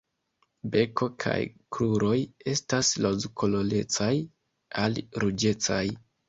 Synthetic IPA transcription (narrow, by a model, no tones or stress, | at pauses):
be̞ko̞kʰa̰jkɾuɾo̞je̞staslozkʰolole̞t͡saj | alɾud͡ʒe̞t͡saj